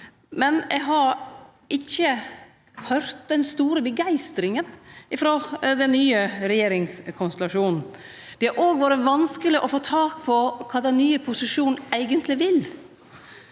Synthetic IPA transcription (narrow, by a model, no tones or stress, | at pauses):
mɛneɡɦɑɾ | ɪçːə | hœɾt̪̚d̪ɛnst̪uːɾəbəɡæɪst̪ɾɪŋənɪfɾoːd̪ɛnːyːəɾɛjeːɾɪŋskʰɔnst̪ɛlɑʂuːnn̩ | d̪̥ɛɑɾʔoːɡʋoːɾəʋɑnskəlɪʔɔfoːt̪ʰɑːkpʰɔkʰɑːd̪ɛnːyːəpʰʊsɪʂuːn̩æɪɡənt̪ʰlɪʋɪl